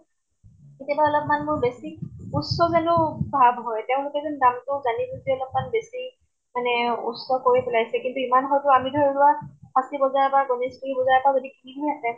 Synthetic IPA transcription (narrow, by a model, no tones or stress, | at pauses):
ketiabaɔlɔp̚manmʊɹbesikusɔzanʊbʱabʱɦɔjteʊ̃lʊkɛzɔndamtʊzanizuziɔlɔp̚manbesi | manɛṵsɔkoɹipʊlajsɛkintuimanɦɔjtʊamidʱɔɹilʊwapʰasibɔzaɹbaɹɡoniskulibɔzaɹbazodikibidʱiasɛ